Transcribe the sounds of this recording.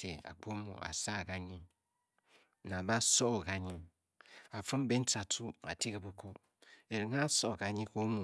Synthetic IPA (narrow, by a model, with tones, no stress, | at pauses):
te˨a̰˨k͡po˦mo̰˨a̰˨sa˦˨ka˦ɲi˦ŋ˦ | na˨ba˦so˦˨ka˨ɲi˦ŋ | a˨fɨ˦m˦be˦n̩˦ta˨tu˦a̰˨ti˦ka˨bo˦ko˦ | e˨ɾi˨ŋ˦a˦so˦˨ka˨ɲi˦ko˦mu˨